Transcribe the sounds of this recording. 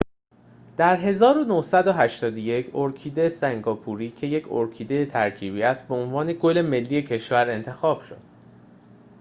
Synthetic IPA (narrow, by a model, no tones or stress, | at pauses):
d̪̥æɾɦe̞zɒːɾonohsæd̪oɦæʃt̪ɒːd̪oje̞cʰoɾcʰiːd̪esæŋɡɒːpʰuɾiːcʰe̞je̞cʰo̰ɾcʰiːd̪ejet̪ʰæɾcʰiːbiːæst̪̚beonvɒːne̞ɡo̞le̞me̞lːiːe̞cʰe̞ʃvæɾe̞nt̪ʰe̞xɒːb̥ʃo̞̰d̪̥